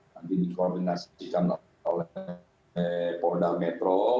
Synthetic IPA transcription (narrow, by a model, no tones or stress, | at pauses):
nant̪idikordinasikan | o̰l | podamɛt̪ɾɔ